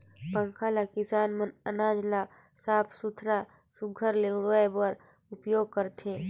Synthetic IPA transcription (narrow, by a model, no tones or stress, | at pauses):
pə̃ŋkʰaːlakɪsaːnmənənaːd͡ʒla | saːpʰsʊt̪ʰɾa | sʊɡʱəɾleːɽəebəɾ | ʊpjoːɡ̚kəɾt̪ẽː